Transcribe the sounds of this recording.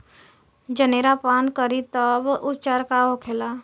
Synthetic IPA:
d͡ʒəneːɾapaːnkəɾit̪əbʊt͡ʃaːɾkaɦokʰeːla

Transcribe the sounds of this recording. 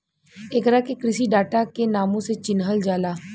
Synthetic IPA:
eːkɾakekɾɪsiɖaːʈakenaːmõset͡ʃɪnɦəld͡ʒaːlaː

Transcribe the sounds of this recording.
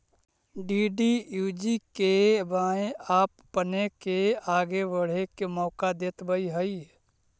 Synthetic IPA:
ɖiːɖijuːd͡ʒikebaːẽaːpːənekeaːɡebəɽ̤ekemɔːkad̪eːt̪bəiɦəi

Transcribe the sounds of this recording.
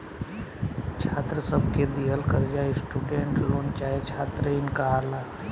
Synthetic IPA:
t͡ʃʰat̪ɾəsəbʱked̪iɦəlkəɾd͡ʒaesʈuɖeɳʈlont͡ʃaet͡ʃʰat̪ɾəɪnkaɦaɾla

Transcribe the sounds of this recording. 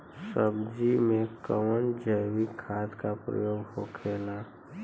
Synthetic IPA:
səbd͡ʒimẽkə̰wənd͡ʒəwikʰaːt̪kapɾə̰joːɡɦo̰kʰeːla

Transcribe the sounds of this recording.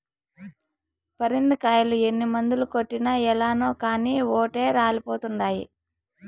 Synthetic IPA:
pɐɾind̪ikaːjɐlue̞nːimɐnd̪ulukoʈːinɐɛlaːnoːkaːniːoːʈe̞ːɾaːlipoːt̪uɳɖaːjḭ

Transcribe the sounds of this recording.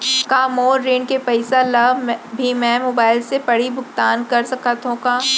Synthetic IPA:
kaːmoːɾːẽːɳɖkepɐɪsalɐbbʱimɛ̃moːbaːɪlsepɐɽibʱʊkt̪aːnkɐɾsɐkat̪ɦõkaː

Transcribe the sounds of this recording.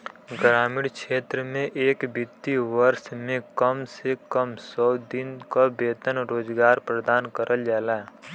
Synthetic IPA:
ɡɾaːmɪɽkʃeːt̪ɾəmẽʔeːkbɪt̪ːiʋəɾsmẽkəmsekəmsɔːd̪ɪnkabeːt̪ənɾoːd͡ʒɡaːɾpɾəd̪aːnkəɾʔəld͡ʒaːla

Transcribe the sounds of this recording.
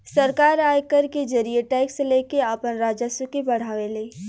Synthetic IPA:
sɐɾkaːɾaːjkəɾked͡ʒɐɾieʈɛːɪkseleːkeaːpənɾaːd͡ʒəsəkebɐɽ̤aːʋeleː

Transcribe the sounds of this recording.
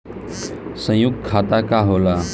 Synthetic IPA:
sə̃juk̚kʰaːt̪aːkaːɦoːlaː

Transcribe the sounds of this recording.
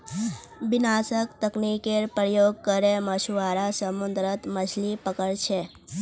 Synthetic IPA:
bɪnasəkt̪əknikeɾpɾəjoɡ̚kəɾeməʃuʋaɾasəmund̪ɾət̪mət͡ʃʰlipəkəɽt͡ʃʰe

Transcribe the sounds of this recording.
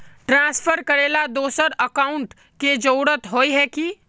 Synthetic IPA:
ʈɾãːspʰəɾkɐɾeːlad̪oːsəɾəkaːʊɳʈ | ked͡ʒoːɽət̪ɦoːiɦɛkiː

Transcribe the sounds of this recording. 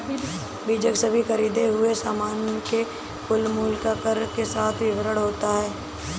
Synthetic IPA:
biːd͡ʒəksəbʱixɐɾiːd̪eɦʊesaːmaːnəke | fʊlmuːlkapəɾkesaːt̪ʰʋɪʋɾəɽɦoːt̪aɦɛː

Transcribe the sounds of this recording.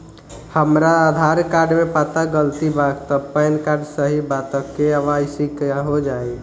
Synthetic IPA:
həmɾaəd̪ʱaɾkaɾɖmepat̪aɡəlt̪ibaɡt̪əpəjnkaɾɖsəɦibat̪əkːeəʋasikɦod͡ʒai

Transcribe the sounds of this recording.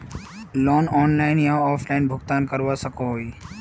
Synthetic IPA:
lɔːnɔːnlaːɪnjãɔːfʰlaːɪnbʱʊɡt̪aːnkəɾʋasəkʰoɦoiː

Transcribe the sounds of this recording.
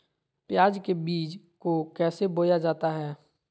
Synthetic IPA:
pjaːd͡ʒkebiːd͡ʒ | kokɛːseboːjad͡ʒaːt̪aɦɛː

